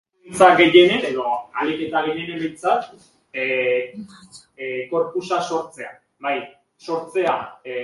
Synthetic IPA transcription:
t͡saɡe̞je̞nene̞ðo̞a̰leke̞t̪aɣe̞je̞nembe̞jnt͡sat̪ | ɡo̞ɾpusaso̞ɾt͡se̞a̰ | baj | so̞ɾt͡se̞a

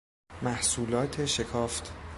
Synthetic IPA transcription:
mæhsuːlɒːt̪ʰe̞ʃekʰɒːft̪ʰ

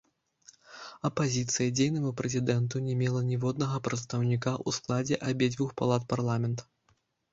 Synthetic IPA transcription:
ɐpazʲit̪sɨjɐd͡zʲejnɐmupɾɛzʲid̪ɛnt̪unʲɛmʲɛlˠɐnʲɛvɔd̪̚nɐɣɐpɾɐt̪st̪ɐwnʲikaʔusklˠad͡zʲɛʔabʲɛd͡zʲvʲuxpalˠat̪̚parlˠamʲɛnt̪ɐ̥

